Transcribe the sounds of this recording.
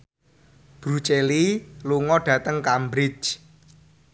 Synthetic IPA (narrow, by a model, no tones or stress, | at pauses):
b̥ɾut͡ʃeliluŋɔɖ̥ä̤t̪əŋkambɾɪt͡ʃ